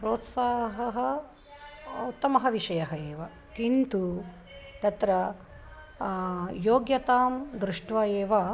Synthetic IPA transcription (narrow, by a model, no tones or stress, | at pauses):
pɾoːt̪saːɦɦɐɦɐ | t̪ɐmɐɦɐʋiʂɐjɐɦɐeːʋɐ | kint̪u | t̪ɐt̪ɾɐ | joːɡjɐt̪aːmd̪ɾuʂʈʋɐjeːʋɐ